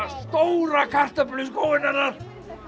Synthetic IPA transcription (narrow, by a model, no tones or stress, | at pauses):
st̪owɾakʰar̥t̪aplyskowvɪnaɾaɾ